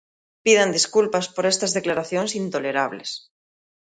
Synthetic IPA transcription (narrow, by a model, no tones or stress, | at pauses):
piðand̪iskulpaspoɾest̪azðeklaɾaθjonsint̪oleɾaβ̞lḛs